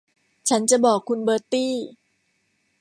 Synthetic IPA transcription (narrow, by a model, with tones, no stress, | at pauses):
t͡ɕʰa˦˥nt͡ɕa˨˩bɔː˨˩kʰːu˧nbɤː˧t̪iː˥˩